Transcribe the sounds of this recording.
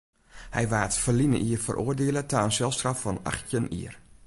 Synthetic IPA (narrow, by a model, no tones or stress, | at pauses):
hɛ̰jʋaːtfərlinə̰ʔiərfə̰rʔoːərdɪələtaːənsɛlˠstraffɔna̰xtjənḭər